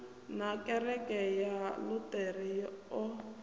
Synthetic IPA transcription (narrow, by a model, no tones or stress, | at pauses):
nakʼɛrɛkʼɛjalʊtʼɛɾɛjɔɔ